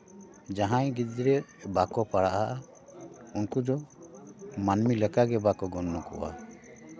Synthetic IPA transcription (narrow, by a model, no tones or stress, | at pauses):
d͡ʒaɦãjɡid͡ʒɾɛbakɔpaɽaʔaʔa | unkudɔ | manmilɛkaɡɛbakɔɡɔnːɔkɔ̰ʔa̰